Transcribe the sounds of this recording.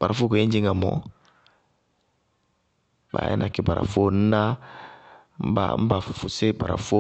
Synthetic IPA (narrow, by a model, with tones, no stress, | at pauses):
b̥a˨ɾa˨fo˦ko˨ẽ˦d͡ʒi˦ŋa˨mɔ̰˨ | ba̰˨jɛ̰˦nʔa˨ki˨ba˨ɾa̰˨fo˦n̩˦na˦ | m̩˦ba̰˨m̩˦ba˨ffu˨se˦ba̰˨ɾa̰˨fo˦